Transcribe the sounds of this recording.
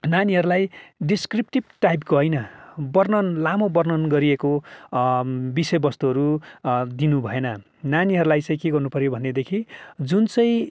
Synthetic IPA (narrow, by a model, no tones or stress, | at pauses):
naniɦʌɾulajɖiskripʈib̚ʈajpɡʌɦʌjnʌbʌrnʌnlamobʌrnʌnɡʌɾieko | bisʌjbʌst̪uɦʌɾud̪inubʱʌenʌ | naniɦʌɾulajt͡sʌ̃ĩkeɡʌrnupʌɾjobʱʌnːed̪ekʰid͡zunt͡sʌj̃